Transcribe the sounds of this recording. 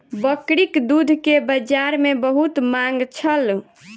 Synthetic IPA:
bəkɾikd̪ud̪ʱkebəd͡ʒaɾmebəɦut̪maŋɡt͡ʃʰəl

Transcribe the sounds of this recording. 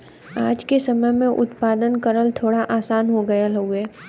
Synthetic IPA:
aːd͡ʒkesɐməjmẽʔʊ̰t̪paːd̪ənkəɾəlt̪ʰoːɽaʔaːsaːnɦoɡɐjalɐuɛː

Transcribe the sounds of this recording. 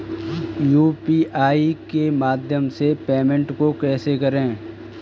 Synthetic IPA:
juːpiːʔaːikemaːd̪ʱjəmsepeːmẽɳʈkokɛːsekɐɾẽː

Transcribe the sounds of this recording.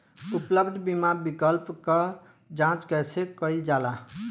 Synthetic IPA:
upləbd̪ʱbimabikəlpkə | d͡ʒãt͡ʃkəsekəjd͡ʒala

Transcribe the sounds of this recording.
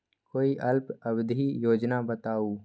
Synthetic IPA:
koːiʔɐlpɐbd̪ʱijoːd͡ʒnabɐt̪aːuː

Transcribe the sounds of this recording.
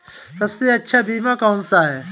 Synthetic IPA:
sɐbseɐtːʃʰabiːmakɔːnsaɦɛː

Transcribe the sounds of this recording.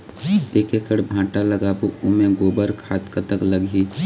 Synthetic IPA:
t̪eːkekəɽbʱãːʈalɐɡaːbuʊmẽɡoːbəɾkʰaːt̪kət̪əkləɡiː

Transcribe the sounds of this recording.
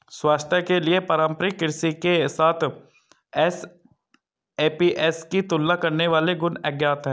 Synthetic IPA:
swaːst̪ʰjəkeliepɐɾãːmpɾikɪɾsikesaːt̪ʰ | ɛs | eːpiʔɛːskit̪ʊlːakɐɾneʋaːleɡʊnɛɡjaːt̪ɦɛ̃ː

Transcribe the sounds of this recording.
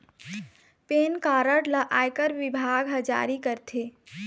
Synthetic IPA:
penkaːɾəʈləʔajkəɾbibʱaɡɦəd͡ʒa̰ɾikəɾt̪ʰe

